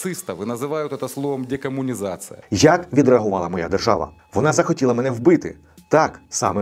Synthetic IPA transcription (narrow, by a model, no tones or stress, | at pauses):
sɨst̪ɐʋɨnɐzɪʋajʊt̪ɛt̪ɐslˠɔʋɐmdʲekɐmʊnʲɪzat̪sɨjɐ̰jɐkʋʲid̪ɾeɐɦʊʋɑlˠɐmɔja̰d̪erʒɑ̰ʋɐ̰ | ʋɔnɑzɐxɔtʲilˠɐmɛnɛwbɪt̪ɪ̰ | t̪ɑksɑ̰mɛ